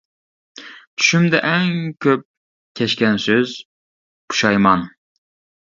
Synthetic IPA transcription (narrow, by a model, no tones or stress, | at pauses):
t̪ʰy̥ʃymd̪ɛʔæŋkʲʰøp̚ | kʲʰɛʃkʲænsøz | pʰu̥ʃɑjmɑn